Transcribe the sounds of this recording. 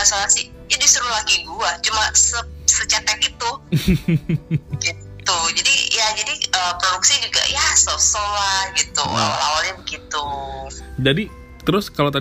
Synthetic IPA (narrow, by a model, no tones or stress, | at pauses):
asoasɪh | d͡ʒadisuɾulaɡiɡuat͡ʃumasəsət͡ʃɛt̪ɛk̚it̪u | ɡit̪ud͡ʒadijad͡ʒadiəpɾoduksid͡ʒuɡa̰jasosolahɡit̪ṵə̰la̰walamɡit̪u | d͡ʒadi | t̪əɾʊskalat̪̬a